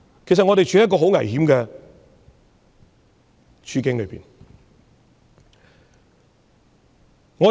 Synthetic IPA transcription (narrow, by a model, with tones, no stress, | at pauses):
kʰjs̬ɐ˨ŋɔː˨˧t̪e˨jt͡ʃʰyː˨˥˦jɐ˥k̬ːɔː˧ɦo˨˥wŋɐ˨˩jhiː˨˥mkɛː˧ | t͡ʃʰyː˧kɪ˨˥ŋlɵ˨˧ɥpḭː˨˩n | ŋɔː˨˧